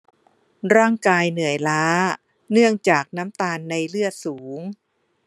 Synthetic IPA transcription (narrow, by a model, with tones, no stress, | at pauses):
ɾaː˥˩ŋkaː˧jnɯ˨˩˦əjlaː˦˥ | nɯ˥˩əŋt͡ɕaː˨˩k̚na˦˥mt̪aː˧nːa˧jlɯ˥˩ət̪̚suː˩˦ŋ